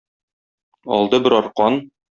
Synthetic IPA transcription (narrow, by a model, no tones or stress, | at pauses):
ɒ̰lˠd̪ɤbɘɾɒɾqɑn